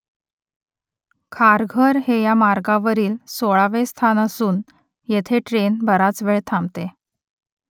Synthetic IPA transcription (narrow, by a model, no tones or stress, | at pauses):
kʰaɾɡʱəɾhejamaɾɡaʋəɾiːlsoɭaʋest̪ʰanəsuːn | jet̪ʰeʈɾenbəɾat͡sʋeɭt̪ʰamt̪e